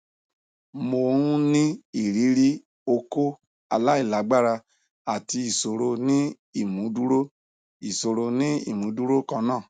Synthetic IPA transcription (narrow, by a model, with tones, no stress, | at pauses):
mo˧ũ˦nĩ˦i˦˨ɾi˨˦ɾi˦ | o˧ko˦ | a˧la˦i˦˨la˨˦ɡ͡ba˦ɾa˧ | a˨ti˧i˨so˨ɾo˧nĩ˦ | i˦˨mũ˨˦du˦ɾo˦ | i˨so˨ɾo˧nĩ˦ḭ˦˨mũ˨˦du˦ɾo˦kã˧nãː˦˨